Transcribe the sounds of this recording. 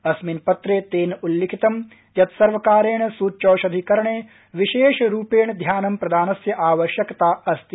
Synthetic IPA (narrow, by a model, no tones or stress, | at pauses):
ɐsminpɐt̪ɾeːt̪eːnulːikʰit̪ɐm | jɐt̪sɐɾʋɐkaːɾeːɳsuːtːʃoːʃɐd̪ʱikɐɾɳeː | ʋiʃeːʃɾuːpeːɳd̪ʱjaːnɐmpɾɐd̪ʱaːnɐsjɐʔaːʋɐʃjɐkt̪aːɐst̪i